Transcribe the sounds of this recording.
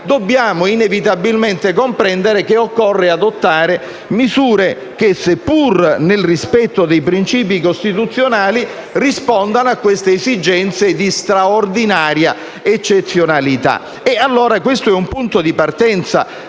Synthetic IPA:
d̪obːjaːmoinevit̪abilment̪ekompɾɛnd̪eɾekeokːɔrːead̪ot̪ːaːɾe | mizuːɾe | k̟esepːurnelrispɛt̪ːod̪ejpɾint͡ʃiːp̬ikost̪it̪ut̪sːjonaːli | rispɔnd̪anoakːwest̪eːzid͡ʒɛnt̪sed̪ist̪ɾaord̪inaːɾja | et͡ʃːet̪sːjonalit̪a̰ | ɛalːoːɾakwest̪oɛumpunt̪od̪ipart̪ɛnt̪sa̰

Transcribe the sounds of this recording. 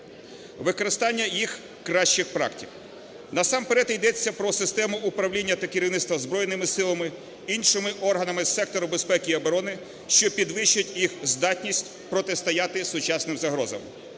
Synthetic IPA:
ʋɪkɔɾɪst̪ɑnʲːɐjix | kɾɑʃt͡ʃɪxpɾɑ̰ktʲiw | nɐsɑmpeɾɛt̪jd̪ɛt͡sʲːɐpɾɔsɪst̪ɛmʊʊpɾɐwlʲinʲːɐt̪ɐkʲɪɾʲiʋnɪst̪ʋɐzbɾɔjnɪmɪsɪlˠɐmɪ | inʲʃɪmɪʔɔrɦɐnɐmɪsɛk̚t̪ɔɾʊbespɛkʲiɐbɔɾɔnɪ | ʃt͡ʃɔpʲid̪ʋɪʃt͡ʃʊtʲjixzd̪ɑtʲnʲisʲtʲ | pɾɔt̪ɪst̪ɐjɑt̪ɪsʊt͡ʃɑsnɪmzɐɦɾɔzɐ̰m

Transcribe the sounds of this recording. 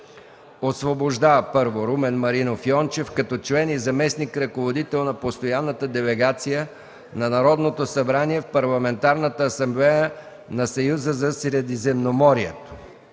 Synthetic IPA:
osvoboʒd̪avəpɤɾvoɾumɛnmɐɾinofiɔnt͡ʃɛfkɐt̪ɔt͡ʃlɛnizɐmɛsnikɾɐkovod̪it̪ɛlˠnɐpost̪ojanːət̪əd̪ɛlɛɡat̪sijə | nɐnɐɾɔd̪not̪osɐbɾaniɛfpɐɾlˠɐmɛnt̪aɾnət̪əːsɐmblɛjə | nɐsɐjuzəzɐsɾɛd̪izɛmnomɔɾiɛt̪o̥

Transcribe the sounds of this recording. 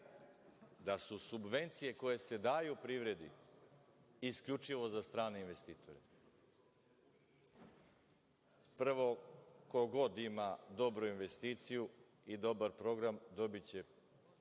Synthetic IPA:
d̪asusubʋe̞nt̪sije̞ko̞je̞se̞d̪aːjupɾiʋɾe̞d̪ḭ | iskʎʲut͡ʃiʋo̞zast̪ɾaːneinʋe̞st̪iːt̪ʰo̞ɾe | pr̩ʋo̞ko̞ɡo̞d̪imad̪o̞bɾuinʋe̞st̪iːt̪siju | id̪o̞baɾpɾo̞ɡɾamd̪o̞bit͡ɕe̞

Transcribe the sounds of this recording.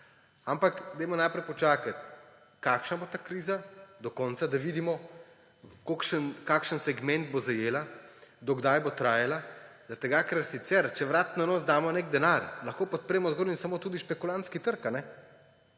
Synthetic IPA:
ampakɡd̪ɛjmɔnajpɾɛjpɔt͡ʃaːkat̪ | kakʃnabot̪akɾiːzad̪ɔkɔnsad̪aʋiːd̪imɔ | kokʃənkaːkʃənsɛɡmɛnd̪̚bozajeːlad̪ɔɡd̪ajbot̪ɾaːjalazat̪ɛɡakɛɾsit̪sɛɾt͡ʃɛʋɾaːt̪nanoːsd̪aːmɔnekd̪ɛnaɾlɐxkoːpɔt̪̚pɾɛːmɔzɡoːlinsamoːt̪uːd̪iʃpɛkulant̪skit̪əɾkanɛ

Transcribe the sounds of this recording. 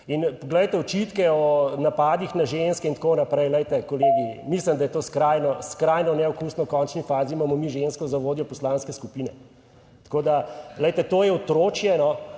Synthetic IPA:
inpɔɡlɛjt̪ɛɔt͡ʃit̪kɛɔnapaːd̪ixnaʒenskɛint̪konapɾɛjlɛjt̪ɛkɔleːɡimisləmd̪ajɛt̪oːskɾaːjnɔskɾajnɔnɛɔkusnɔkɔnt͡ʃnifaːzimamɔmiʒenskɔzaʋoːd̪jɔpɔslaːnskɛskupiːnɛ̰ | t̪koːd̪alɛjt̪ɛt̪oːjɛɔt̪ɾoːt͡ʃjɛnɔ

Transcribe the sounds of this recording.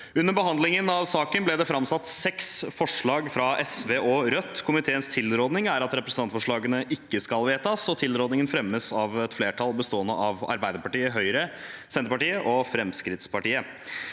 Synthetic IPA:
ʉnːəɾbəɦɑnd̪lɪŋənɑʋsɑːkənblɛd̪ɛfɾɑmsɑt̪ːsɛksfɔʂɭɑːɡfɾɑʔɛsʋeːʔɔɾœt̪ːkʰʊmɪt̪ʰeːənst̪ʰɪlːɾoːd̪nɪŋæɾɑt̪ɾɛpɾəsənɑnt̪fɔʂɭɑːɡənəʔɪkːəskɑlʋeːt̪ɑsɔt̪ʰɪlɾoːd̪nɪŋənfɾɛmːəsɑʋɛt̪fleːʈʰɑlbəst̪oːənə̰ʔɑʋɑ̰ɾbæɪd̪əɾpɑʈiːəɦœʏɾəsɛnt̪əpɑʈiːəʔɔfɾɛmskɾɪt̪spɑʈiːə

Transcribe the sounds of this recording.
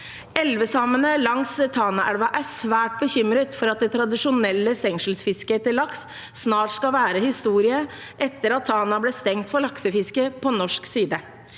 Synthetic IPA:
ɛlʋəsɑmənəlɑŋsət̪ʰɑːnɑʔæɽʋɑʔæsʋæːʈ̚bəçʏmɾət̪fɔɾɑt̪̚d̪ɛt̪ʰɾɑd̪ɪʂʊnɛlːəst̪ɛŋʂəlsfɪskəet̪əlɑksː | nɑːʈskɑʋæːɾəhɪst̪uːɾɪə | ʔɛt̪ːəɾɑt̪ʰːɑːnɑbleːst̪ɛŋt̪fɔɭɑksəfɪskəpʰɔnɔʂksiːd̪ə

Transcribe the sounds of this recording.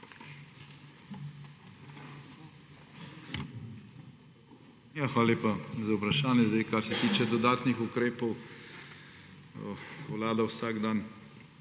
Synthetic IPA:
jaxʋaːlaleːpazaupɾɐʃaːnjɛzd̪ajkaɾsɛt̪iːt͡ʃɛd̪ɔd̪aːt̪nixukɾeːpɔw | wlaːd̪awsaːɡd̪an

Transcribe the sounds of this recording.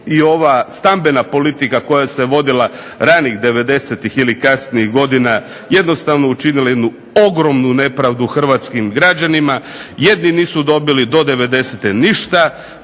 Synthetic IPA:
io̞ʋast̪ambenapo̞lit̪ikako̞jase̞ʋo̞d̪ila | ɾaniːɣd̪e̞ʋe̞d̪e̞set̪ixilikasniixɡo̞d̪ina | je̞d̪no̞st̪aʋno̞ut͡ʃinilaje̞d̪nu | o̞ɡɾo̞mnune̞pɾaʋd̪uxr̩ʋat̪skimɡɾad͡ʑanimaje̞d̪niniːsud̪o̞bilid̪o̞d̪e̞ʋe̞d̪e̞set̪eniʃt̪a

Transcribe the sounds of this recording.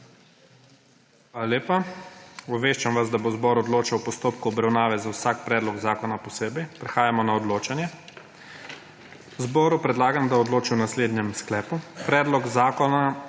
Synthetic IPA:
xʋʋaːlalʲeːpa | ɔʋeːʃt͡ʃamʋazd̪abozbɔɾɔd̪loːt͡ʃawpɔst̪oːpkuɔbɾawnaːʋɛzawsak̚pɾɛːd̪lɔɡzaːkɔnapɔseːbɛjpɾɛxaːjamɔnaɔd̪loːt͡ʃanjɛ | zbɔːɾupɾɛd̪laːɡamd̪aɔd̪loːt͡ʃiwnasleːd̪njɛmsklɛːpupɾɛːd̪lɔɡzaːkɔna

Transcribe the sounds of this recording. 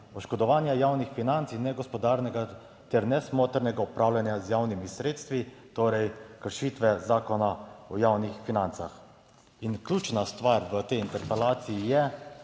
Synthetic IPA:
ɔʃkɔd̪ɔʋaːnjajaːwnixfinant̪sinɛɡɔspɔd̪aːɾnɛɡa | t̪ɛɾnɛsmoːt̪əɾnɛɡaɔpɾaːwlanjazjawnimisɾeːt̪st̪ʋit̪oːɾɛjkəɾʃiːt̪ʋɛzaːkɔnaɔjaːwnixfinant̪sax | inklʲjuːt͡ʃnast̪ʋaɾʋət̪ɛjint̪ɛɾpɛlaːt̪siijɛ

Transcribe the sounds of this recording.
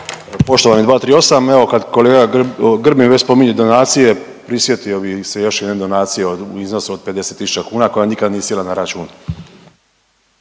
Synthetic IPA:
po̞ʃt̪o̞ʋanid̪ʋaːt̪ɾiːo̞sameʋo̞kad̪ko̞leːɡaɡr̩bimʋet͡ɕspo̞miɲud̪o̞naːt̪sije̞ | pɾisje̞t̪iobisejo̞ʃjɛd̪ned̪o̞naːt̪sijeouizno̞suod̪̚pe̞d̪e̞set̪ːisu̥t͡ɕakuːnako̞janikad̪nijesjelanaɾat͡ʃuːn

